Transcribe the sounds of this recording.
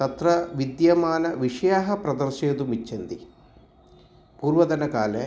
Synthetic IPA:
t̪ɐt̪ɾɐʋid̪jɐmaːnɐʋiʂɐjaːɦɐpɾɐd̪ɐɾʃeːd̪umit͡ʃːend̪i | puːɾʋɐd̪ɐnɐkaːle

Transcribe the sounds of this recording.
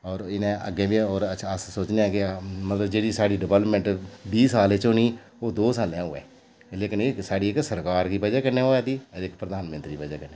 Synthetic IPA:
ɔːɾɪnẽːʔə̰ɡẽːbiɔːɾət͡ʃəssoːt͡ʃneakɪmət̪ləbd͡ʒeːɽiːsaːɽiːɖɪʋələpmɛ̃ːɳʈbiːsaːleːt͡ʃoːniː | oːd̪oːsaːljãːʊɛ̰ː | leːkənɪsaːɽiːɪksəɾkaːɾkiːpəd͡ʒaːkəɾnẽːoːaːt̪iːəɾɪkpɾəd̪aːnmə̃nt̪ɾiːpəd͡ʒaːkəɾnẽː

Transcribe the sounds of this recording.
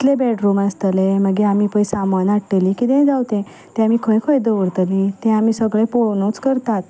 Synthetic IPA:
t̪lebɛʈɾumast̪əleməɡeamipə̃jsamanaʈːelikit̪ɛ̃d͡zawt̪ẽ | t̪ɛ̃amikʰəjkʰəjd̪əʋəɽt̪əlit̪ɛ̃amisəɡɭẽponõt͡skəɾt̪at̪

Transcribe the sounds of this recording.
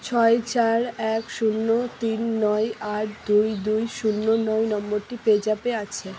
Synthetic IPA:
t͡ɕʰɔet͡ɕaɾɛkʃunːot̪inːɔjaʈ̚d̪ujd̪ujʃunːonɔjnɔmboɾʈiped͡ʑapeat͡ɕʰe

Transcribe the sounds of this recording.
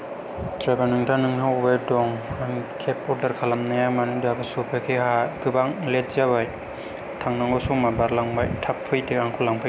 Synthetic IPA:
tɾabanɯŋtʰanɯŋhawbajdɔŋkʰepɔɾdɐɾkʰalamnajamanɯdabasopʰakʰehaɡɯbaŋlet̚zabaj | tʰaŋnaŋɡɔsuŋmabaɾlaŋbajtʰapʰːɯjdeaŋkʰulaŋpʰɯ

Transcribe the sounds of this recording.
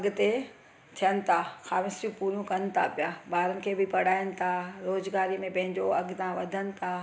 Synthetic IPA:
ɐɡʊ̆t̪e | t̪ʰijənɪ̆t̪ʰaxaːʋɪsɾjĩpuːɾũkɐnɪ̆t̪ʰa̰pijabaːɾənɪ̆kʰeːbʱɪpɐɽ̤aːjənɪ̆t̪ʰaɾoːzɡaːɾimẽpɐ̃ɦɪ̃ɲd͡ʑoɐɡt̪ʰãʋɐd̪ʱənɪ̆t̪ʰa

